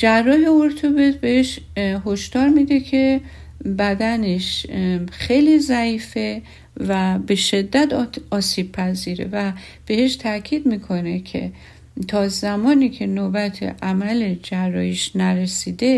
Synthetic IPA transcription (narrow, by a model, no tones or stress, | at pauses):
d͡ʒærːɒːɦeoɾt̪ʰobet̪beheʃɦoʃd̪̥ɒːɾmiːd̪e̞cʰe̞ | bæd̪æneʃxejliːzæiːfe | væbe̞ʃe̞d̪ːæt̪ɒːsiːb̥̚pʰæziːɾḛvæ | b̥e̞heʃt̪ʰækʰiːd̪miːkʰo̞ne̞kʰḛ | t̪ʰɒːzæmɒːniːcʰe̞nobæt̪ʰḛʔæmæled͡ʒærːɒ̰ːjiʃnæɾesiːd̪e̞